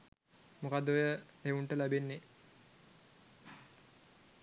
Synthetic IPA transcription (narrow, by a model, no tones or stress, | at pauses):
mokad̪ojə | euɳʈəlæbenːe